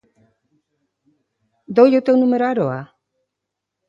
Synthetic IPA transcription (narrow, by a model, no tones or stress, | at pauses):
d̪ojowt̪ewnumeɾoaɾoa